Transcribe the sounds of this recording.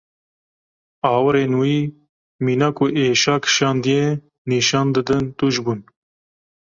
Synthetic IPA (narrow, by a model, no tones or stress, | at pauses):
ɑːwɨɾeːnwiː | miːnakʰʊʔeːʃɑːkʰɨ̥ʃɑːnd̪ije | niːʃɑːnd̪ɨd̪ɨnt̪uːʒbuːn